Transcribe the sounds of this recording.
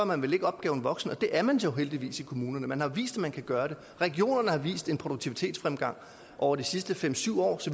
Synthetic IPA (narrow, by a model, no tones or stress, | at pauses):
mænʋe̝le̝ɡ̥əɒ̽b̥̚ɡ̥ɛ̰ːʊn̩ʋɒ̽ɡ̥sn̩ɒ̽d̥e̝ʔæɐmænsoʊɦel̰d̥iʋḭːsikʰo̝muːnɐnəmænhɑ̈ʋḭːsd̥æmænkʰæɡ̥ɶːɐɾ̥e̝ | ʁɛɡ̥io̝̰ːnɐnəhɑ̈ʋḭːsd̥e̝npʰʁod̥oɡ̚t͡sʰiʋit͡sʰe̝̰ːd̥sfʁamɡ̥ɑ̈ŋ̰ | ʔɒʊ̰ɐd̥isisd̥əfem̰syʊ̰ɒ̰ːsɒ